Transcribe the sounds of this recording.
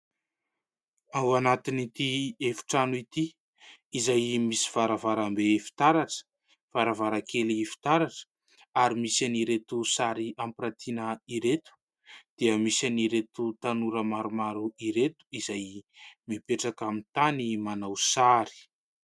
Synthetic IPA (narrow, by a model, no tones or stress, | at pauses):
awanat̪init̪iefi̥ʈ͡ʂanuit̪iː | zajmisi̥v̥aɾavaɾambefi̥t̪aɾaʈ͡ʂə̥ | v̥aɾavaɾakʰelifi̥t̪aɾaʈ͡ʂə̥ | aɾimisaniɾet̪usaɾiampɾat̪ʰinəiɾet̪u̥ | d̪̥eəmisaniɾet̪ut̪anuɾəmaɾumaɾuiɾet̪u̥izajmipeʈ͡ʂakamint̪animanawsaɾi̥